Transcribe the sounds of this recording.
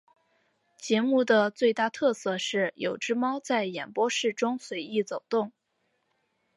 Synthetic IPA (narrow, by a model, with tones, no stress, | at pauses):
t͡ɕjɛ˧˥mu˥˩d̪ə˩t͡swe˥˧ɪt̪a˥˧˩t̪ʰɤ˥˧sɤ˥˧ʂɻ̩˥˩jo˨˩ʊʈ͡ʂɻ̩˥mɑ˥ʊt͡sa˥˩ɪjɛ˨˩npwɔ˥ʂɻ̩˥˩ʈ͡ʂʊ˥ŋswe˧˥ɪi˥˩t͡so˨˩ʊt̪ʊ˥˩ŋ